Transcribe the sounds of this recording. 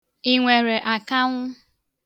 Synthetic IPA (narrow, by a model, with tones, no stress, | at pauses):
i˨ŋʷe˨ɾe˨ʔa˨ka˦ŋʷʊ˦